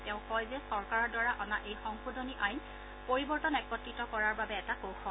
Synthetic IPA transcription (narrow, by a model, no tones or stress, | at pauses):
tɛʊ̃kɔjzɛsɔɹkaɹɔdɔɹaʔɔnaʔejxɔŋxudʱɔniʔajn | poɹibɔɹtɔnɛkːɔtːitɔkɔɹaɹbabɛːtakowxɔ